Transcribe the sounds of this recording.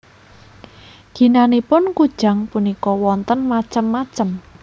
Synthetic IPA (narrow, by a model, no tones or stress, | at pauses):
ɡ̥i̤nanipʊnkud̥ʒ̥a̤ŋpunikɔwɔnt̪ənmat͡ʃəmːat͡ʃəm